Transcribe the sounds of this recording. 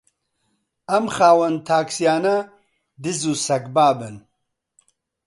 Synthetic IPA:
ɐmxaːwɐnt̪ʰaːksijaːnɐ | d̪ɨzusɐkbaːbɨn

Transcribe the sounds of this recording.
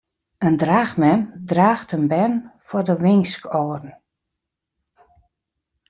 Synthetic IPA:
əndraːxmɛndraːxtənbɛnfɔrdəʋɪŋskʰoːrn̩

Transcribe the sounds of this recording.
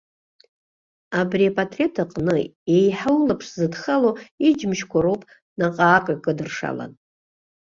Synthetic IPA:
abriapʼatʰʼre̞tʰaqʼnɨejħallapʰʂzɨdχaloid͡ʒmʃkʷʰaɾowpʼ | naqʼaːkʼakʼɨdɨrʂa̰la̰n

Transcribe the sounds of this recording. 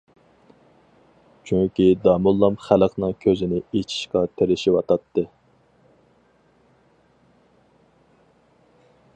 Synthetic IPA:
t͡ʃʰyŋkʲid̪ɑmulˠːɑmχæləqʰnɨŋkʲʰøzɪnɪet͡ʃʰi̥ʃqɑt̪ʰeɾɪʃiwɑt̪ʰɑt̪ːɨ

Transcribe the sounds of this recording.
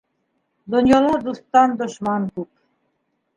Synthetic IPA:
d̪ɔnjɑlɔd̪ust̪ɑnd̪ɔʃmɑnkup

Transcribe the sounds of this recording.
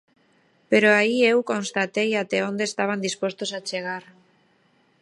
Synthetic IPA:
peɾoaiewkonst̪at̪ejat̪eond̪eːst̪aβ̞and̪ispost̪osat͡ʃeɣ̞aɾ

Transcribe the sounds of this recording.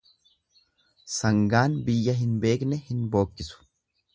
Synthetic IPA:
sɐŋɡaːnbɪjːɐɦɪnbe̞ːknɛhɪnbo̞ːkʼːɪsʊ̥

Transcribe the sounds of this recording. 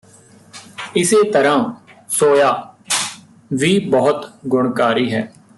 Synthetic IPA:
ɪseːt̪əɾãː | soːjaː | ʋiːbəɦʊt̪ɡʊɳkaːɾiːɦɛː

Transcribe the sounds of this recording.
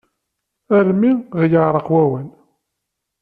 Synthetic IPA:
æɾmiʁjəʕɾˤəqwæwən

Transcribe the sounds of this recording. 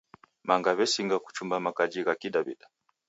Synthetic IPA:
maŋɡaβɛsiŋɡaku̥t͡ʃumbamakad͡ʒiɣakiɗaβḭɗḁ

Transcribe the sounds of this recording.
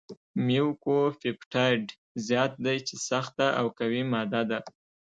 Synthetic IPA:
miwkofipʈʰɑjɖ | zjɑt̪̚d̪ajt͡ʃesaxt̪aʔawkawimɑd̪ad̪a

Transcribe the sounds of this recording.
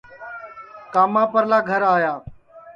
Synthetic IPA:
kaːmãːpəɾlaːɡʱəɾaːjaː

